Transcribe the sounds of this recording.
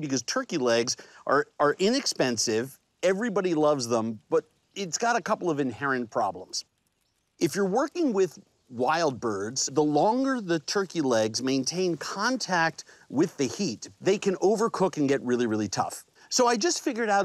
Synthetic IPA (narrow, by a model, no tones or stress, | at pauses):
bɨkʌz̥tʰɜ˞kilɛɡzʔə˞ə˞ʔɪ̃nɨkspɛ̃nsɪv | ɛvɹibɑɾilʌvzðə̃mb̥ʌɾ | ɪtsɡ̥ɑɾɨkʰʌpl̩ˠʌvɨ̃nhɛɹɨ̃npʰɹ̥ɑ̰blə̰̃mz̥ | ʔɨfjə˞wɜ˞kɪ̃ŋwɪð | waɪlˠd̚bɜ˞dz̥ðəlɔ̃ŋɡə˞ðɨtʰɜ˞kilɛɡzmẽɪ̃ntʰẽɪ̃nkʰɑ̃ntʰæk̚t̚wɪðɨhit̪̚ðeɪkʰɨ̃noʊvə˞kʰʊkɨ̃nɡɛt̚ɹɪlˠiɹɪlˠitʰʌ̰f | soʊaɪd͡ʒʌstfɪɡjə˞ɾaʊ